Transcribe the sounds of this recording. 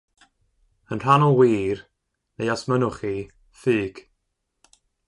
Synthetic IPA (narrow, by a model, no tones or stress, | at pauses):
ənr̥anɔlˠwiːr | nejasmənʊχi | fɨːɡ̥